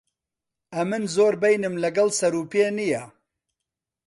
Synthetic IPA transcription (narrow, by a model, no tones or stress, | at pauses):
ʔɐmɨnzoːɾbejnɨmlɐɡɐlsɐɾuːpeːnijɐ